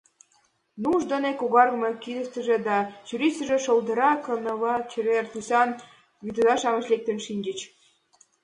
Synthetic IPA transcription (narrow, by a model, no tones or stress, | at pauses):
nuʒd̪onekoɣɑrɣə̆mekid̪ə̆ʃt̪ə̆ʒĕd̪ɑt͡ɕyɾisʲə̆ʒĕʃold̪ə̆ɾɑkɤ̆nɤ̆βɑt͡ɕeβert̪usɑn | βyt̪ə̆d̪ɑʃɑmə̆ʃlek̚t̪ə̆nʃinʲd͡ʑə̆t͡ɕ